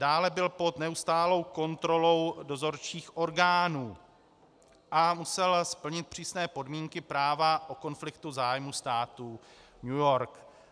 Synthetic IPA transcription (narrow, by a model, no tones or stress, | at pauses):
daːlɛbɪlpo̞d̪nɛust̪aːlo̞wko̞nt̪ɾo̞lo̞wdo̞zo̞ɾt͡ʃiːxʔo̞ɾɡaːnuː | ʔamusɛlspl̩ɲɪt̪̚pr̝̥iːsnɛːpo̞dmiːŋkɪpɾaːvaʔo̞ko̞nflɪkt̪uzaːjmust̪aːt̪uːɲujo̞ɾk